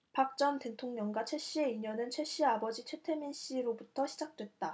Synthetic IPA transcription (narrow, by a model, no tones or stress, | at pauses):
pak̚t͡ɕ͈ʌnte̞tʰoŋɲʌŋɡwat͡ɕʰe̞ɕ͈ie̞iɲʌnɯnt͡ɕʰwe̞ɕ͈iabʌd͡ʑit͡ɕʰwe̞tʰe̞minɕ͈iɾobutʰʌɕʰid͡ʑak̚t͈we̞t̚t͈a